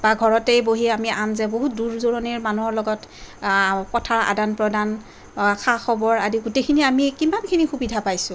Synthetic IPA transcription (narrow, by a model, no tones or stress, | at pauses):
baɡʱɔɹɔtejboɦiɛamiʔamzɛboɦut̚duɹzoɹɔniɹmanuɦɔɹlɔɡɔt | kɔtʰaɹa̰danpɹɔdan | axʰaxɔbɔɹadiɡutejkʰiniamikimankʰinixubidʱapajsʊ̃